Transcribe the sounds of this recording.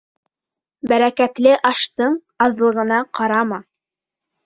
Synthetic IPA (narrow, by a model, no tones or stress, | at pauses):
bæɾækæt̪lɘʔɑʃt̪ɤɴ | ɑðlˠɤ̆ʁɤ̆nɑqɑɾɑmɑ